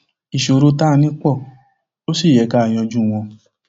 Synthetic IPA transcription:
i˨ʃo˧˨˧ɾu˧˦ta˦˧nĩ˦k͡pɔ˦˨ | to˦si˦˨jɛ˨˦ka˦˨j̃ɔ̃˧d͡ʒũ˦˨w̃ɔ̃˧

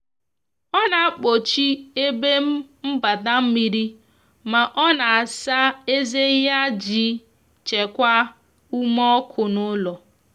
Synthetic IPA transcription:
ɔ˦na˨a˦k͡po˨t͡ʃi˦e˦be˦m̩˦m̩˦ba˨da˦m̩˦mi˦ɾi˦ | ma˨ʔɔ˦na˨a˨sa˦e˦ze˦ja˦d͡ʒi˦ | t͡ʃe˨kʷa˦ | u˦mɔ˦kʰʊ˨nʊ˦lɔ˨

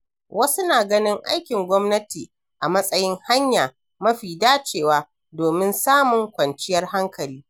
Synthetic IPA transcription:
wʔɐ˦su˦naː˨ɡɐ˦nɪ˦ŋʔa̰˦jkʲɪ˨ŋɡʷɔ˦mnɐ˦tiː˨ | ʔa˨mɐ˦sʼɐ˦jɪ˦ŋha˦ɲjaː˨ | mɐ˦ɸiː˨daː˦t͡ʃeː˨waː˦ | doː˨mɪ˦nsaː˦mʊ˨ŋkʷɐ˨nt͡ʃɪ˦jɐ˦rha˦ŋkʰɐ˨liː˦

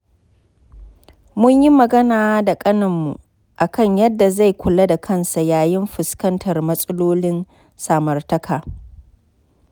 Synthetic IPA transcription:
mʊ˦ɲji˦mɐ˨ɡɐ˦naː˨˦da˨kʼɐ˦nɐ˨mːu˨ | ʔa˨kɐ˦˨ɲjɐ˦dːa˨za˦˨jkʷʰʊ˨la˦da˨kʰɐ˦˨nsa˨jaː˨jɪ˦mɸɪ˨skɐ˦ntʰɐ˨rmɐ˦sʼɐ˦loː˦lɪ˦n | saː˨mɐ˨rtɐ˦kʰaː˨

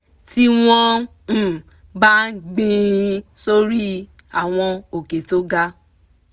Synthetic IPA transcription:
ti˦w̃ɔ̃˦ | n̩˦ | ba˦ɡ͡bĩ˦i˧so˦ɾi˦ | a˨w̃ɔ̃˧o˨ke˨to˦ɡa˦

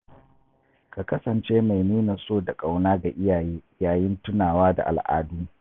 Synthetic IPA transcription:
ka˨kɐ˦sɐ˨nt͡ʃeː˦ma˨jniː˦na˨soː˦da˨kʼa˨wnaː˦ɡa˨ʔɪ˦jaː˨jeː˦jaː˨jɪ˦ntʊ˦naː˨waː˦da̰˨ʔa̰˨lʔa̰ː˦duː˦

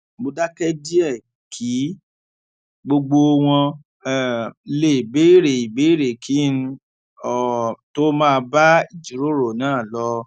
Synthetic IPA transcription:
mo˧da˦kɛ˦di˦ɛ˦˨ | kʰi˨˦ | ɡ͡bo˧ɡ͡bo˧w̃ɔ̃˧˨˧ | le˦˨i˨be˨˦ɾe˨i˨be˨˦ɾe˨kʰi˨˦n̩˦ | ɔ˨to˦mãː˦˧ba˦i˦˨d͡ʒi˨˦ɾo˦ɾo˨nãː˦˨lɔ˧˦

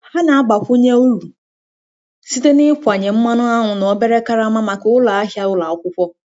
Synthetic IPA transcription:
ha˦na˨a˦ɡ͡ba˨ɸʊ˦ɲɛ̃˦u˦ɾu˨ | si˦te˦nɪ̃˦kʰʷʊ˨a˨ɲɛ̃˨m̩˦mã˦nʊ̃˦a˦ɦʊ̃˨ñ˨ɔ˨bɛ˦ɾɛ˦ka˦ɾa˦mã˦mã˨kɪ˨wʊ˦la˨a˦hɪ˦a˦wʊ˦la˨ɔ˦kʊ˦ɸʷɔ˦

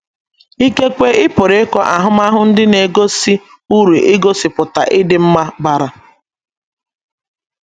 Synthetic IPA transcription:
i˦ke˦kʷe˦ɪ˦pʊ˨ɾe˨˦kɔ˦ʔa˨ɦʊ˦m˦a˦ɦʊ˦n̩˦dɪ˦ne˨ɡo˦si˦ | u˦ɾe˨ʔɪ˦ɡo˦si˨pʊ˨ta˨ʔɪ˦dɪ˦m̩˦ma˦ba˦˨ɾa˨

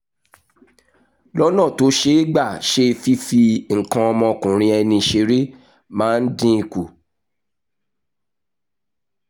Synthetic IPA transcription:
lɔ˦nã˦˨to˨˦ʃe˦i˦ɡ͡ba˦˨ʃe˧˦fi˦fi˧ŋ̩˨kã˧ɔ˧mɔ̃˧kũ˨ɾ̃ĩ˧ɛ˧nĩ˧ʃe˧˦ɾe˦ | mãː˦n̩˦dĩ˦i˧ku˨

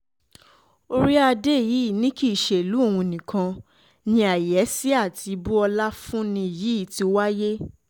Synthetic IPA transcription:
o˦ɾi˦a˧de˦˨ji˨˦˨nĩ˦ki˦˨ʃe˨lu˨˦o˦˨wũ˧˨nĩ˨kʰã˧ | nĩ˧a˨jɛ˨˦si˦a˦˨tʰi˧bu˦ɔ˧la˦fũ˦nĩ˧˨ji˨˦˨ti˧˦wa˦je˦

